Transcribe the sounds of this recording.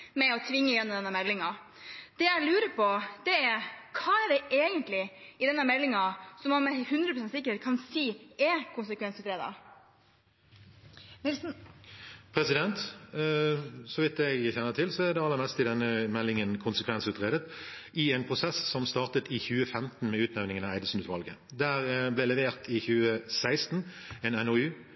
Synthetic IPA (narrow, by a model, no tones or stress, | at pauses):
mɛɔt̪ʰʋɪŋːəɪjɛnːɔmd̪ɛnːəmɛlːɪŋɑ | d̪̥ɛjæɪlʉːɾəpʰɔd̪̥ɛæɾkʰɑːɛɾd̪ɛʔeːɡənt̪lɪɪd̪ɛnːəɾmɛlːɪŋɑsɔmɑnmɛhʉnd̪ɾəpʰɾʊsɛnsɪkːəɾheːt̪̚kʰɑnsiːɛkʰʊnsəkʰʋɛnsʉːt̪ɾeːd̪ɑ̰ | nɪls | pʰɾɛsɪd̪ɛnt̪ | sɔʋɪt̪ɛɡçɛnːət̪ʰɪlsɔæɾd̪ɛɑlːəɾmɛst̪ɪd̪ɛnːəmɛlːɪŋənkʰʊnsəkʰʋɛnsʉːt̪ʁeːd̪ət̪ | ɪɛnpʰʁʊsɛssɔmst̪ɑːʁt̪ət̪ʰɪçʉːəfɛmt̪n̩mɛʉːt̪næʋnɪŋənɑæɪd̪əsn̩ʉːt̪ʋɑlɡə̰d̪æːʁblɛlɛʋeːʁt̪ʰɪçʉːəsæɪst̪n | ɛnɛnɔʉː